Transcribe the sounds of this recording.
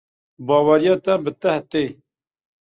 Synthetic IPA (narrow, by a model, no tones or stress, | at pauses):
bɑːwaɾjɑːt̪abət̪ɐht̪eː